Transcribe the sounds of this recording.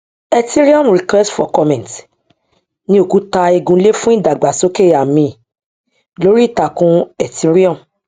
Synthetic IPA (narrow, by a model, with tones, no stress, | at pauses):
ɛ˧ti˦ɾi˦ɔ˦˨m˨ɾi˨kwɛ˦stfɔ˨kɔ˧mɛ̃˨nt | nĩ˧˦o˦˨ku˨˦ta˧i˧ɡũ˧˦le˦fũ˦i˦˨da˨ɡ͡ba˨so˦ke˦˨a˨mĩ˧˨ | lo˦ɾi˦˨ta˨kũ˦ɛ˨ti˦ɾi˦ɔ̃˦˨m̩˨